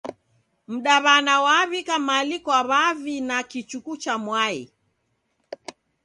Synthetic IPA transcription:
m̩ɗaβanawaβikamalikwaβavinakit͡ʃukut͡ʃamwai

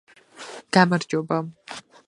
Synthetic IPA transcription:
ɡ̥aːmɐrd͡ʒobɐm

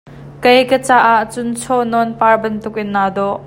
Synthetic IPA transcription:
kɐjkət͡saːʔaʔt͡sʊnt͡sʰɔnɔnpaːrbɐnt̪ʊk̚ʔɪnːaːd̪ɔʔ

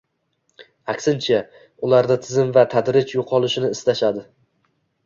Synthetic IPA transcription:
akʲsɪnt͡ʃʰa | ʊlaɾd̪at̪ʰɪzɪmvat̪ʰad̪ɾɪt͡ʃjoqʰɒlˠɪʃɪnɪːst̪aʃad̪ɪ

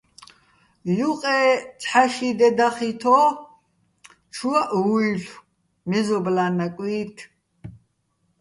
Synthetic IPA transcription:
juqʼɛt͡sʰʼħaʃid̪ɛd̪aχit̪ʰɔ | t͡ʃʰuaʔuiɬ | mɛzɔblanakʼwiːt̪ʰ

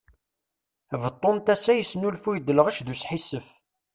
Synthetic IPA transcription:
vət̪ˤːont̪æsæjəsnulfujd̪ːələʁæʃðusħisːəf

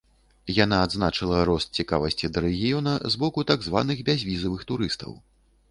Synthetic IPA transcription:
jan̪aːd̪znat͡ʂɨlˠɐɾɔst̪̚t͡sʲika̰vɐsʲt͡sʲid̪ɐɾɛɣʲijɔnɐzbɔkut̪aɡzva̰n̪ɨɣbʲazʲvʲizɐvɨxt̪uɾɨst̪ɐ̰w

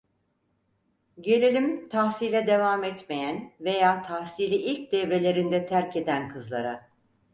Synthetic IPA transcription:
ɟe̞lʲelʲimt̪ʰahsilʲɛd̪e̞vaːmɛt̪me̞jænve̞jaːt̪ʰahsiɾiʔilʲc̚d̪ɛvɾe̞lʲe̞ɾind̪ɛt̪ʰæɾcʰe̞d̪ænkʰɯzlˠa̰ɾa

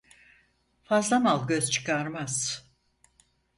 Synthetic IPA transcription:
fazlˠamalˠɟø̞zt͡ʃʰɯ̥kʰaɾmaz̥

